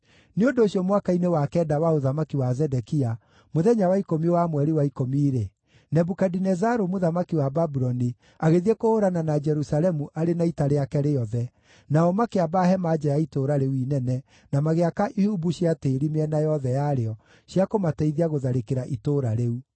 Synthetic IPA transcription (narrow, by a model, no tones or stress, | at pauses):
neondoːɕjɔmwakainewakɛːdawaoðamakiwazɛdɛkia | moðɛɲawaikomiewamwɛɾiwaikomiːɾe | nɛbukadinɛzaɾomoðamakiwababuɾɔni | aɣeðiekohoɾananad͡ʒɛɾusalɛmuʔaɾenaitaɾeakɛɾejɔðɛ | naɔmakeabaɦɛmad͡ʒajaitoɾaɾeuinɛnɛ | namaɣeakaʔihubuɕiateːɾimeɛnajɔðɛjaɾeɔ | ɕjakomatɛiðiaɣoðaɾekeɾaʔitoɾaɾeu